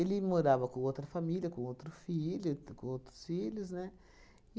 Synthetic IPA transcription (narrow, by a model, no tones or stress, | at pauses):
elimoɾavɐkũot̪ɾɐfamilijɐkũot̪ɾufilʲukũot̪ɾu̥sfiluznɛ